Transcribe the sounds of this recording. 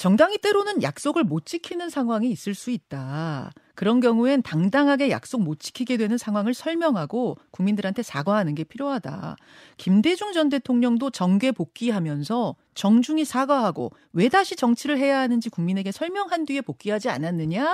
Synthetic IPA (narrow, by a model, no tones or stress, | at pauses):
t͡ɕʌŋdaŋit͈e̞ɾonɯnja̰k̚s͈oɡɯɭmot̚t͡ɕ͈ikʰinɯnsʰaŋɦwaŋiːs͈ɯɭs͈uit̚t͈a | kɯɾʌnkjʌŋue̞ntaŋdaŋɦaɡe̞ja̰k̚s͈ok̚mot͡ɕ͈i̥kʰiɡe̞dwe̞nɯnsʰaŋɦwaŋɯɭsʰʌɭmjʌŋɦaɡokuŋmindɯɾɦantʰesʰaɡwaɦanɯnɡe̞pʰiɾjoɦada̰ | kimde̞d͡ʑuŋd͡ʑʌnde̞tʰoŋɲʌŋdot͡ɕʌŋɡe̞pok̚k͈iɦamjʌnsʰʌ | t͡ɕʌŋd͡ʑuŋisʰaɡaɦaɡo̰ | we̞daɕʰit͡ɕʌŋt͡ɕʰiɾɯɭɦe̞jaɦanɯnd͡ʑikuŋmine̞ɡe̞sʰʌɭmjʌŋɦandɥie̞pok̚k͈iɦad͡ʑia̰nanːɯɲa